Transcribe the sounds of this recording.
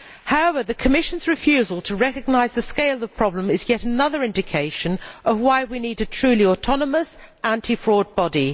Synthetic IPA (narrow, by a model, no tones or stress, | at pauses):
haʊɛvəðɨkʰəmɪʃə̃n̩zɹɨfjʉːzəlˠtʰəɹɛkɨɡ̚naɪzðəskeɪlˠəv̥pʰɹ̥ɒblə̃mɪzjɛɾənʌðə˞ɪ̃ndɪkʰeɪʃə̃nʔəvwaɪwiniɾɨtʰɹ̥ʉːliɔtʰɒnəməs | ʔæ̃ntʰifɹɔd̚bɒdi